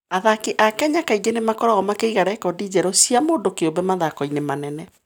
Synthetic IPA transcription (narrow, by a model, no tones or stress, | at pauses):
aðakeʔakɛɲakaiɡenemakɔɾaɣɔmakeiɣaɾɛkɔdid͡ʑɛɾɔsiamoːndokeombɛmaðakɔinemanɛnɛ